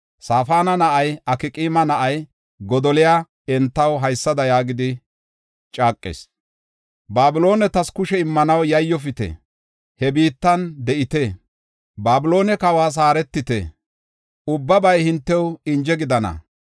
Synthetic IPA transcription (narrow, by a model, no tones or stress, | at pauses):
saːfaːnɐnɐʔɐjɐkɪkʼiːmɐnɐʔɐj | ɡɔd̪ɔlɪjaː | ɛnt̪ːɐwɦɐjsːɐd̪ɐjaːɡɪd̪ɪ | t͡ʃʼaːkʼːɪ̰ːs | baːbɪlo̞ːnɛt̪ɐskʊʃɛɪmːɐnɐwjɐjːɔfɪt̪ɛ̰ | hɛbiːt̪ːɐnd̪ɛʔɪt̪e | baːbɪlo̞ːnɛkɐwaːs̬aːɾɛt̪ːɪt̪ḛ | ʊbːɐbɐjhɪnt̪ːɛwɪnd͡ʒɛɡɪd̪ɐnɐ̰